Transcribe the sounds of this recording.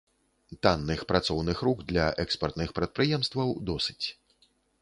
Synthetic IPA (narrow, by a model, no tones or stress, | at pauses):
t̪anːɨxpɾat̪sɔwnɨxɾuɡd̪lʲaʔɛkspɐrt̪nɨxpɾɐt̪̚pɾɨjɛmst̪vɐwd̪ɔsɨ̥t͡sʲ